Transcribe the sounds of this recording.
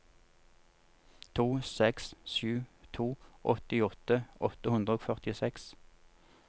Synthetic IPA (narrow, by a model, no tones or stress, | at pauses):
t̪ʰuːsɛksʃʉːt̪ʰuːʔɔt̪ɪɔt̪əʔɔt̪əhʉnd̪ʁəoːfœʁt̪ɪsɛks